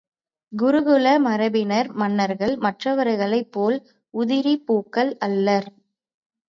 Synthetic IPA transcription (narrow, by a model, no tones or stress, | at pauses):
ɡʊɾɯɣɯɭɐmɐɾɐbɪnɐɾmɐnːɐɾɣɐɭmɐʈrɐʋɐɾɐɪɣɐɭɐɪpːoːl | ʊðɪɾipuːkːɐɭɐlːɐɾ